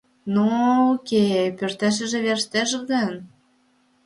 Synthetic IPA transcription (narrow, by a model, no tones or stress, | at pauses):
nookepørt̪æʃ̬ə̆ʒĕβerʃt̪eʃɣən